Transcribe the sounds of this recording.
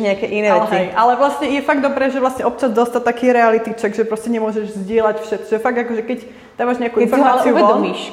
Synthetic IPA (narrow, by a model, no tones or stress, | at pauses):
ɲɛakɛːʔinɛːʋɛt͡sɦiɛʔalɛʋlasɲɛjɛfaɡd̪ɔbɾɛːʒɛʋlasɲɛʔɔp̚t͡ʃazd̪ɔst̪at̪akɛɾɛalit̪it͡ʃaɡʒɛpɾɔscɛɲɛmʊɔʒɛʒzɟɪɛlacfʃɛt̪ʒɛfaɡ̚d̪akɔʒɛkɛc | d̪̥amaːʒɲɛakuːʔinfɔɾmaːaliuɛɔlɔmiʃ